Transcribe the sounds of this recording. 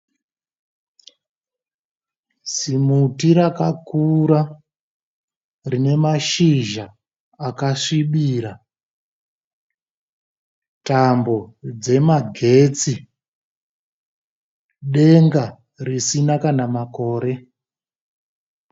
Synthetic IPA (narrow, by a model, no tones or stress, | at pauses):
simutiɾakakuɾa | rine̞maʃiʒaː | kaʂiɓiːɾa | tambo̞d͡ze̞maɡʱe̞t͡si | ɗe̞ŋɡa | risinakanamako̞ːɾe̞